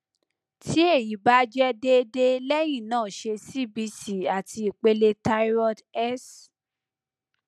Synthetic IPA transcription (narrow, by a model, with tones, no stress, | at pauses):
tʰi˦e˦˨ji˨˦ba˨˦d͡ʒɛ˦de˦de˦lɛ˦j̃ĩ˦˨nãː˦˨ʃe˧si˦˨bi˧si˦a˨ti˧i˨k͡pe˧le˧ta˧˦ɾɔ˧dɛ˦s